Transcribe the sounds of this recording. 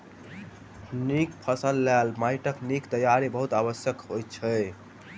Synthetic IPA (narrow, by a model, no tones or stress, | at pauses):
nik̚pʰəsəlːalmajʈəknikt̪əjaɾibəɦut̪aβəsjəkɦojt͡ʃʰəj